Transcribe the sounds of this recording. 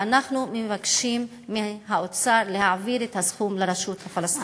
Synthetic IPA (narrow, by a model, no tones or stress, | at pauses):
anaχnumevakʃimːeɦaot͡saɾlehaviɾethasχumleɾaʃut̪hafalast̪